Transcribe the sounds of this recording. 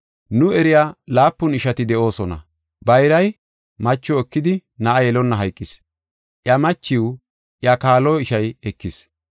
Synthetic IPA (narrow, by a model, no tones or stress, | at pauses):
nʊɛɾɪjalaːpːʊnɪʃɐt̪ɪd̪ɛʔo̞ːsɔnɐ̰ | bɐjɾɐj | mɐt͡ʃːɔɛkːɪd̪ɪnɐʔajɛlɔnːɐɦɐjkʼːɪs | ʔjɐmɐt͡ʃːɪw | ʔjakaːlɔɪʃɐjɛkːɪs